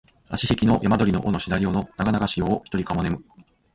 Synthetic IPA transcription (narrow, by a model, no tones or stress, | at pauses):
a̰ɕiɕekʲino̞jamad̪o̞ɾino̞̰ʔono̞ɕid̪aɾʲio̞no̞naɡanaɡaɕijo̞ːçi̥t̪o̞ɾʲikamo̞ne̞mɯ̟